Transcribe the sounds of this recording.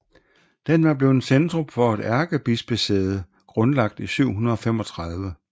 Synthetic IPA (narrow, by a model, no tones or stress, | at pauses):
d̥enʋæb̥le̝ʊensend̥ʁɔ̽mfɒ̽ed̥æɐɡ̥əb̥isb̥esḛːð̞̩ˠ | ɡ̥ʁɔ̽nlɑ̈ɡ̥̚d̥isyʊ̰ɦunɐðˠɒ̽femɒ̽t͡sʰʁɑ̈ðˠʋə